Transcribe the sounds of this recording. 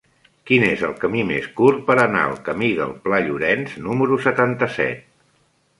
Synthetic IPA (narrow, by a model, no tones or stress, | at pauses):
kinezəlˠkəmimeskur̚pəɾəna̰əlˠkəmiðə̰lˠplaʎuɾɛnznuməɾusət̪ant̪əsɛ̰t̪̚